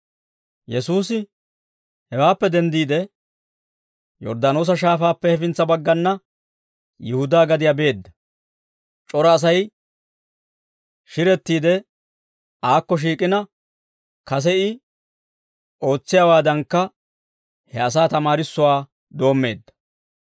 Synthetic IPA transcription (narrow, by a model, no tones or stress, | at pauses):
jɛsuːsɪ | hɛwaːpːɛd̪ɛnd̪iːd̪ɛ | jɔ̰ɾd̪aːno̞ːs̬ɐʃ̬aːfaːpːɛhɛfɪnt͡sːɐbɐɡːɐnːɐ | jɪhʊd̪aːɡɐd̪ɪjabe̞ːd̪ːɐ | t͡ʃʼɔɾɐːs̬ɐj | ʃɪɾɛt̪ːiːd̪ɛ | aːkːɔʃ̬iːkʼɪnɐ | kɐs̬ɛɪ | o̞ːt͡sːɪjaːwaːd̪ɐŋkːɐ | hɛɐs̬aːt̪ɐmaːɾɪsːʊwaː | d̪o̞ːmːe̞̰ːd̪ːɐ̥